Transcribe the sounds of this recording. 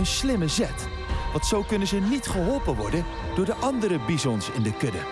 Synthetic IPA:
ənslɪməzɛt | ʋɑ̃ntsowkɵnənzənitχəɦɔlˠpənʋɔɹdən | d̥ʊːɹdəʔɑndəɾəbizɔnsɪndəkɵdə

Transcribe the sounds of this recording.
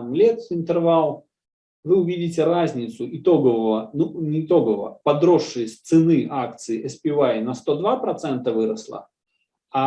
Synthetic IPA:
mlʲet̪ɪnt̪ɨrvalˠ | vɨʊvʲidʲɪtʲɪɾazʲnʲɪt̪sʊɪt̪o̞ɡəvəvənunʲɪːt̪o̞ɡəvvə̰pɐd̪ɾoʂːɨjəsʲt̪sɨnɨʔak̚t̪sɨɪʔɛspʲɪajnɐst̪o̞d̪vapɾɐt̪sɛnt̪əvɨɾəslˠə̰ | a

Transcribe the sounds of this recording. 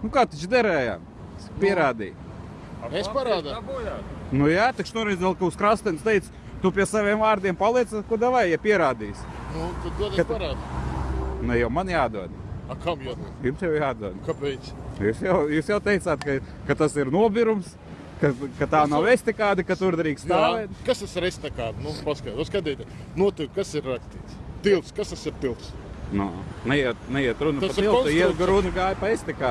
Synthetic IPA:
nukaːt̪it͡ʃd̪ɛɾɛːja̰ː | pʲiɛɾaːd̪ḭː | amespaɾaːd̪aabujaːt̪nujat̪ikʃnuɔɾɛʋɛlˠkaʊskɾast̪ɛnst̪ɛɪt̪s | t̪upʲiɛsaʋʲiɛmvaːɾd̪iɛmpalˠiɛt̪sɛkuɔd̪aʋajjɛpʲiɛɾaːd̪iːsnuk̪ot̪ɡ̪uɔd̪aɾaːd̪ | nɛjɛwmanjaːd̪uɔd̪akamjad̪ujumsjawjaːd̪uɔd̪kapɛjt̪sjuːsjawjuːsjawt̪ɛjt̪saːt̪ka | kat̪asiɾnuɔbʲiɾums | kakat̪aːnawɛsʲt̪ʲekaːd̪ikat̪uɾd̪ɾiːksst̪aːʋɛːt̪kast̪asɾɛsʲt̪ɛkaːd̪nupaskat̪ɔskad̪iːt̪ɛnuɔt̪ukkasiɾːakst̪iːt̪st̪ilˠt̪skast̪asiɾt̪ilˠsnunɛjiɛt̪̚nɛjiɛt̪ɾunɐt̪pɐt̪t̪ilˠt̪uiɛɡɾunɐɡaːjpɐesʲt̪ɛkaː

